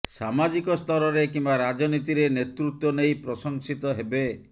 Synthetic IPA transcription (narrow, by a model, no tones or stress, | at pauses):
samad͡ʒikɔst̪ʰɔɾɔɾekimbaɾad͡ʒɔnit̪iɾenet̪ɾut̪wɔnejpɾɔsɔŋsit̪ɔɦebe